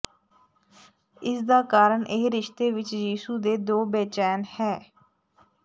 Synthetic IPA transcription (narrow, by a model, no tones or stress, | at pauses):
ɪsd̪aːkaːɾəɳʔɪːɾɪʃt̪eːʋɪt͡ʃjiːsuːd̪eːd̪oːbeːt͡ʃɛːnhɛː